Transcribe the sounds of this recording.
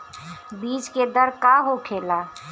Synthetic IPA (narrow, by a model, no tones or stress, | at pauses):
biːd͡ʒked̪əɾkaːɦokʰeːlaː